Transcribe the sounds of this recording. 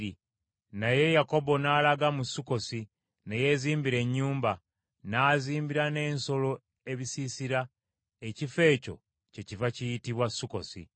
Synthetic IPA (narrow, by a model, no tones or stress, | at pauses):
i | naje̞jako̞bo̞naːlaɡamusːuko̞si | neje̞ziːmbiɾe̞ɲːuːmba | naːziːmbiɾane̞ːnso̞lo̞ | eβisisiɾa | ecife̞ːco̞̰ | ce̞civacijitiβwasːuko̞̰sḭ